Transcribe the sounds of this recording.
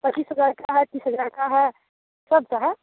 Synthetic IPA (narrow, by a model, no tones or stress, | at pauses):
pɐt͡ʃːiːsɦəzaːɾkaɦɛt̪iːsɦəzaɾkaɦɛ | sɐb̚t̪oɦɛ